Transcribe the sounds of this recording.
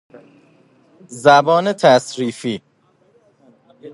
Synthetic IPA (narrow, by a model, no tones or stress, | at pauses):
zæbɒːnet̪ʰæsɾiːfiː